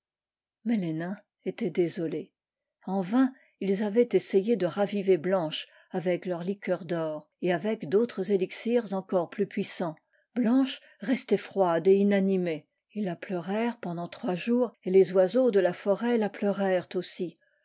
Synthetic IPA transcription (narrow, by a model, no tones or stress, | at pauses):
mɛlenɛ̃ | et̪ɛd̪ezɔle | ɑ̃vɛ̃ | ilzavɛt̪esejed̪əʁaviveblɑ̃ʃ | avɛklœʁlikʲœʁd̪ɔːʁ | eavɛkd̪ot̪χəzeliksiʁzɑ̃kɔʁplypɥisɑ̃ | blɑ̃ʃ | ʁɛst̪ɛfχwad̪einanime | ilːaplœʁɛʁpɑ̃d̪ɑ̃t̪χwaʒuːʁelezwazod̪əlafɔʁɛlaplœʁɛʁt̪osi